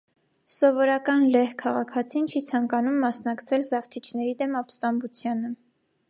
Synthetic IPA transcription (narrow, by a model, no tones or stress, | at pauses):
sɔvɔɾɑkɑnlɛhkʰɑʁɑkʰɑt͡sʰint͡ʃʰit͡sʰɑŋkɑnumːɑsnɑkt͡sʰɛlzɑft̪ʰit͡ʃʰnɛɾid̪ɛmɑpst̪ɑmbut͡sʰjɑnə